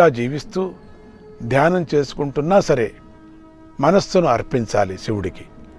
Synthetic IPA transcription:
aːd͡ʒiːʋist̪uː | d̪ʱjaːnɐmt͡ʃe̞ːsu̥kuɳʈunːaːsɐɾe | mɐnɐsːunuɐɾpiɲt͡ʃa̰ːlisiwuɽiki̥

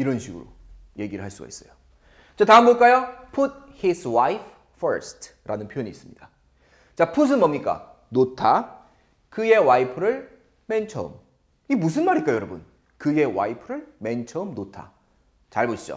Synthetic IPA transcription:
iɾʌnɕʰiɡɯ̰ɾo̰ | je̞ɡiɾɯɭɦaɭs͈uɡa̰is͈ʌjo | t͡ɕataɦɯmboɭk͈ajopʰut̚hiswajp | fʌɾstʰ | ɾʔanɯnpʰjojoɲiːs͈ɯmɲid̥a | t͡ɕapʰus̬ʰɯnmʌmɲik͈a̰ | notʰa | kɯje̞waipʰɯɾɯɭ | me̞nt͡ɕʰʌɯ̰m | imus̬ʰɯnmaɾik͈ajʌɾʌbɯn | kɯje̞wa̰ipʰɯɾɯɭme̞nt͡ɕʰʌɯmnotʰa̰ | t͡ɕaɭboɕʰid͡ʑo̰

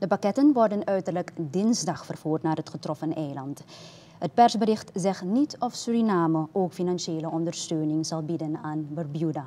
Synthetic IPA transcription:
d̥əpakɛtənʋɔrdənœɥtərləkdɪnzdɑχfərv̥uːrtnaːrɦətχətrɔfənɛjlɑnt | ɦət̚pɛrzbəɾɪχtzɛχnitɔfsyrinaːməʔoːkfinɑnʃeːləɔndərstøːnɪŋz̥ɑlˠbidənaːnbərbjuda

